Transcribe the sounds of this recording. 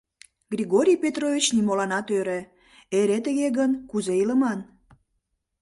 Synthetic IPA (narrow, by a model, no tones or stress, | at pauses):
ɡriɣoɾʲijpet̪rovʲit͡ɕnimolɑnɑt̪øɾe | eɾet̪əɣeɣənkuzeiləmɑn